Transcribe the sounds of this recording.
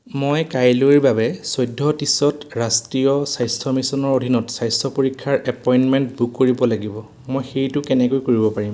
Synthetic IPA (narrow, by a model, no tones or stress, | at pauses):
mojkajloiɹbabɛsɔjdʱːɔtisɔtɹastɹijɔsajstʰɔmisɔnɔɹodʱinɔtsajsɔpoɹikʰːaɹɛpɔjnmɛntbukːoɹibɔlaɡibɔ | mojxejtʊkɛnɛkojkoɹibɔpaɹim